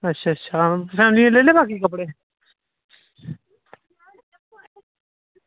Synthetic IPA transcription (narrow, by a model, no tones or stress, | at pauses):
ətːʃʰaːtːʃʰaːsɛ̃ːnĩẽleːleːbaːkikəpɽeː